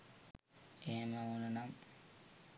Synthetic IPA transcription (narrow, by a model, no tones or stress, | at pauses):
eɦeməununam